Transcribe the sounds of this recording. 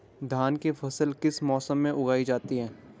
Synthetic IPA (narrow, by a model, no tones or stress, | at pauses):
d̪ʱaːnkefʰɐsəlkɪsmɔːsəmːẽʔʊɡaːid͡ʒaːt̪iɦɛ̃ː